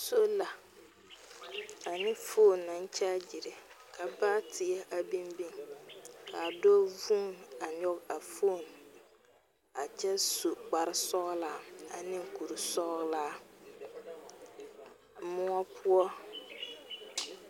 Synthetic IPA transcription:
so˦la˨ | a˨nɪ˦foː˦˨nːa˨n˦t͡ʃɛ˦d͡ʒɪ˨ɾɪ˨ | kʰa˨baː˦tʰɪ˨ɛ˦ʔa˨bi˦mbi˦ŋkʰa˨dɔː˦vu˦ma˨ɲɔ˦ka˨foː˦˨n | a˨t͡ʃɛ˦su˨k͡pa˨ɾɪ˦sɔ˦ɣlaː˦a̰˨nɪ̃˦ŋ˨ku˨ɾu˨sɔ˦laː˦ | mʊ˦ɔ˦pʰʊ˦ɔ˦

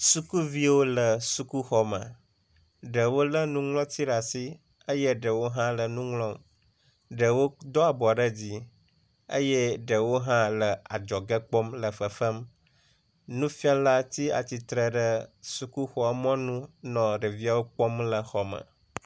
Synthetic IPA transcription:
su˦ku˦vi˦wo˦lə˨su˦ku˦xɔ˨mə̰̃˨ | ɖə˨wo˦lə˦nũ˦ŋlɔ̃˦t̪i˦ɖa˨si˦ | ə˦jɛ˦ɖə˨wo˦ɦã˦lə˨nũ˦ŋlɔ̃˦m | ɖə˨wo˦d̪ɔ˦a˨bɔ˨ɖə˦d͡ʑi˦ | ə̰˦jɛ˦ɖə˨wo˦ɦã˦lə˨a˨d͡ʒɔ˨ɡə˦k͡pɔ˦mlə˨fə˨fə˦m | nũ˦fi˦ã˦la˦t̪i˦a̰˨t͡ɕi˨t̪ɾə˨ɖə˦su˦ku˦xɔ˦a˨mɔ̃˦nũ˦nɔ̃˨ɖə˨vi˦a˦wo˦k͡pɔ˦mlə˨xɔ˨mə̰̃˨

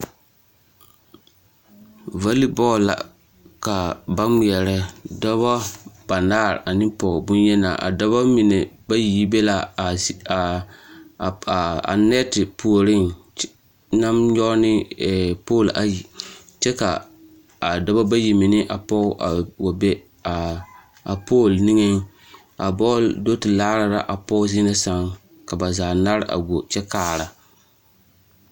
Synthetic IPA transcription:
va˦li˦bɔ˦˨la̰˨ | ka˨ba˦mi˨ɛ˨ɾɛ˦dɔ˦ba˦b̥a˨naː˦˨ɾ̰ʔa˨nɪ̃˦pɔ˨bʊ˦njɛ˦na̰˨ʔa̰˨da˦ba˦mi˨ne˨ba˦ji˦be˦la˨ | a̰˨nɛ˦tɪ˨pʰu˨o˨ɾɪ˦˨ŋ | na˦mɲɔ˦nɪ˦ɛ˨poː˦˨lʔa˨ji˨ | t͡ʃɛ˦ka̰˨ | a˨da˦ba˦ba˦ji˨mɪ˨nɪ˦ʔa˨pɔ˦ʔa˨wa˨bɛ˦ | a˨ | a˨poː˦˨lnɪ˦ŋɛ˦ŋ | a˨bɔ˦ldo˦tɪ˨laː˦ɾa˨ɾa̰˦ʔa˨pɔ˦zi˦na˦sa˦ŋ | ka˨ba˨zaː˨na˦ɾʔa̰˨ɡʷo˨t͡ʃɛ˦kaː˦ɾa˨

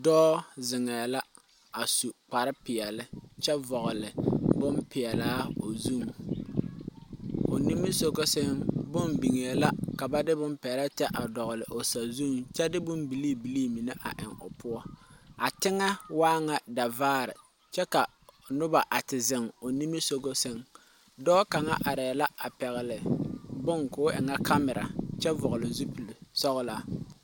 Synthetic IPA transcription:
dɔː˦zɪ˨ŋɛː˨la˦ | a˨su˨k͡pa˨ɾɪ˦pɪ˨ɛ˨lɪ˦t͡ʃɛ˦vɔ˨ɣʊ˨lɪ˨bʊ˦mpɪ˨ɛ˨laː˦o˨zu˦˨ŋ | o˨ni˦mːɨ˦so˨ko˦se˦mbʊ˦mbi˨ŋɛː˨la˦ka˨ba˦dɪ˦bʊ˦mpɪ˨ɛ˨la˦tɛ˦ʔa˨dɔ˨ɣʊ˨lɪ˨ʔo˨sa˨zu˦ŋt͡ʃɛ˦dɪ˦bʊ˦mbi˨liː˦bi˨li˦mi˨nɛ˦ʔa̰˨ʔɪ̰˨ŋʊ˨pʰʊ˦ɔ˦a˨tɪ˦ŋa˦waː˦ŋa˨da˨vaː˦ɾɪ̰˨ | t͡ʃɛ˦ka˨ | nʊ˦ba˨ʔa˨tɪ˨zɪ˨ŋo˨ni˦mi˦so˦ɡo˦sɪ˦ŋ | dɔː˦ka˨ŋa̰˦ʔa˨ɾɛː˨la˦a̰˨pɛ˨ɣɪ˨lɪ˨bʊ˦ŋkʊː˦ʔɪ̰˨ŋa˦kʰa˦mɪ˨ɾa̰˨t͡ʃɛ˦vʊ˨ɣʊ˨lɪ˨zu˦pi˨lsɔ˦ɣla˦

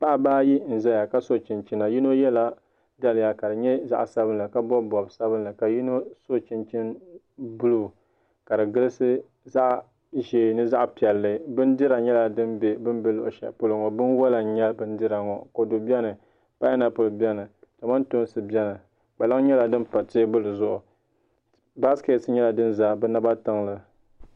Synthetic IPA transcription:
pa˦ʔa˨baː˦ji˦n̩˨za˦ja˨ka˦so˦˨t͡ʃɪ˨nt͡ʃɪ˦na˨ji˦no˦jɛ˦la˦ | da˦lɪ˨ja˨ka˨dɨ˨ɲɛ˦za̰˦ʔsa˦bɨ˦nla˨ka˦bɔ˦bɔ˨bsa˦bɨ˦nla˨ka˨ji˦no˦so˦t͡ʃɪ˦nt͡ʃɪ˦n | bu˦lu˨ | ka˨dɨ˨ɡɨ˦lɨ˦sɨ˦ | za˦ʔ | ʒeː˨nɨ˦za˦ʔpi˨ɛ˨lːɨ˨bɨ˦ndɨ˦ɾa˨ɲɛ˦la˨dɨ˦nbe˨bɨ˦n˦be˦lʊ̰˨ʔʊ̰˨ʃɛ̰˨pʊ˦lo˨ŋɔ˨bɨ˦n˦wɔ˦la˨ɲɛ˦lbɨ˦n˦dɨ˦ɾa˨ŋɔ˨ko˨do˨bjɛ˦nɨ˨ | pa˦ɛ˦na˨pʊ˨lbʲɛ˦nɨ˨t͡ʃa˨ma˦nto˦nsɨ˨bɛ˦nɨ˨ | k͡pa˨la˦ŋ˦ɲɛ˦la˨dɨ˦n˦pa˨tɪː˦bɨ˦lɨ˨zʊ˦ʔʊ˨ | ba˦ske˨tɲɛ˦la˨dɨ˦nza˦bɛ˦na˦ba˦tɨ˦ŋlɨ˨

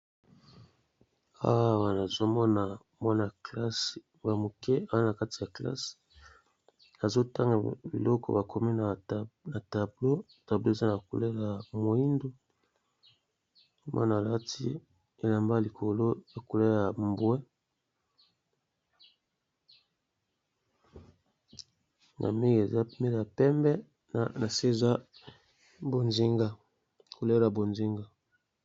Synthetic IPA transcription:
a̰˦wa˦˨wa˨na˨zo˦mɔ˦na˨ | mwa˦na˨kla˦sa˨mo˨kɛ˦a˨wa˦na˨ka˦ti˨ja˨kla̰˦si̥˨ | a˨zo˦ta˦ŋɡa˨bḭ˨lɔ˦kʰɔ̰˦˨ba˨kʰo˨mi˦na˨na˨ta˨blo˦ | ta˨blo˦e˨za˦na˨ku˨le˦ja˨mo˨i˦ndo˨˦ | mwa̰˦n˨a˨la˦tʰi˦ | e˨la˨mba˦li˨kʰo˨lo˦e˨ko˨le˦ja˨mbwɛ˦ | nʔa̰˨mi˦ŋɡe˨za˦me˦˨a˨pɛ˦mbɛ˦˨ | na˨se˦˨za˦ | bo˨nzi˦ŋɡa˦˨ | ko˨le˦la˨bo˨nzi˦ŋɡa˦

